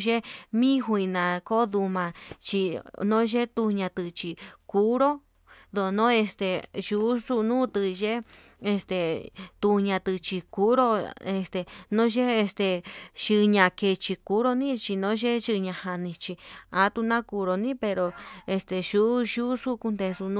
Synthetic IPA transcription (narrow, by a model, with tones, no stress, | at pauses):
ʒe˦mĩ˦ɦu˧ĩ˧nã˨ko˦ðu˧mã˧t͡ʃi˧nõ˦ʒe˦t̪u˧ɲã˧t̪ɨ˧t͡ʃi˧ku˦ɾo˦ | ðo˧˨nõ˦e˧st̪e˨ʒu˧˦su˦nũː˦t̪ɨ˧ʒe˦e˧st̪e˨t̪u˧ɲã˧t̪ɨ˧t͡ʃi˧ku˦ɾo˦e˧st̪e˨nõ˦ʒe˦e˧st̪e˧ʃɨ˧ɲã˧ke˧˨t͡ʃi˧ku˧˦ɾo˦nĩ˦t͡ʃi˧nõ˨˦ʒe˦ʒɨ˧ɲã˧ha˧nĩ˧t͡ʃi˧a˦t̪u˧nã˦ku˧ɾo˧nĩ˦pe˧ɾo˧e˧st̪e˧ʃu˦ʒu˦su˦ku˧nd̪e˧su˧nũ˦